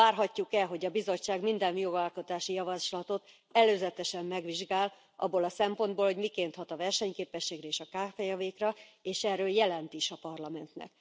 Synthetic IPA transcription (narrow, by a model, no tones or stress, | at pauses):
aːrɦɒcːukɛlɦo̞ɟɒbizo̞t͡ʃːaːɡmind̪ɛnjo̞ɡɒlko̞t̪aːʃijɒvɒʃlɒt̪o̞t̪ | ɛløːzɛt̪ɛʃɛmːɛɡʋiʒɡaːl | ʔɒ̰bːolɒsɛmpo̞nd̪̚boːlhoɟmikeːnt̪hɒt̪ɒvɛrʃɛɲkeːpɛʃːeːɡɾɛeːʃɒkaːfɛjɒveːkrɒeːʃɛrːøːljɛlɛnt̪iʃɒpɒrlɒmɛnt̪nɛ̰k